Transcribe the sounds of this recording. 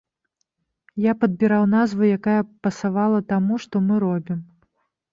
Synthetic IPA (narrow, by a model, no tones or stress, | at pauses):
japɐd̪̚bʲiɾawnazvɨjakajɐpɐsavalˠɐt̪amuʂt̪ɔmɨɾɔbʲim